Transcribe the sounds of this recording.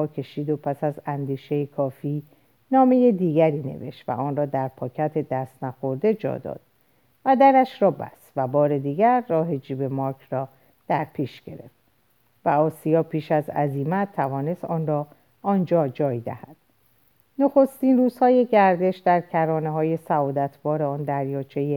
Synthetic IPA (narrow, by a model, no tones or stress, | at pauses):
ɒːkʰe̞ʃiːd̪o̞pʰæsæzænd̪iːʃe̞jekʰɒːfiː | nɒːme̞je̞d̪iːɡæɾiːne̞̰ve̞̰ʃt̪væ̰ʔɒːnrɒːd̪æɾpʰɒːcʰæt̪ʰe̞d̪æst̪næxo̞ɾd̪e̞d͡ʒɒ̰ːd̪ɒ̰ːd̪̥ | væd̪æɾæʃɾɒːbæ̰svæbɒːɾe̞d̪iːɡæɾːɒːɦe̞d͡ʒiːbe̞mɒɾkʰrɒː | d̪̥æɾpʰiːʃɡ̥e̞̰ɾe̞̰ft̪ | væɒːsijɒːpʰiːʃæzæ̰ziːmæt̪ʰːævɒːne̞st̪ɒːnrɒː | ɒːnd͡ʒɒːd͡ʒɒːjd̪æ̰hæd̪̥ | no̞xo̞st̪inruːz̥hɒːje̞ɟæɾd̪e̞ʃd̪æɾcʰæɾɒːneɦɒːje̞sæɒːd̪æt̪ʰb̥ɒːɾeɒːnd̪æɾjɒːt͡ʃʰe̞je